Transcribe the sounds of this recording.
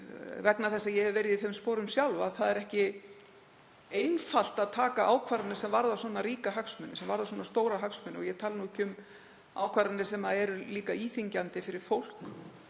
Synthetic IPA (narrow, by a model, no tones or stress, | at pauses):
vɛknaθɛsːajɛhɛvɪveɾɪðɪɪθejmspoːɾʏmsjawlvaðθaðɛɾɛhcɪ | ejnfal̥t̪aðt̪ʰaːkaʔaːwkʰvaɾɪnɪsɛmvaɾðasɔːnaɾiːkaɦœksmʏnːɪsɛmvaɾðaswɔːnast̪oːwɾaɦœksmʏnːɔɣjɛt̪ʰaːlnuːɪhcːʏm | a̰ːwkʰvaɾanːɪsɛmaɛɾʏliːkaiːθiɲcant̪ɪfɪɾɪɾ̥fowl̥k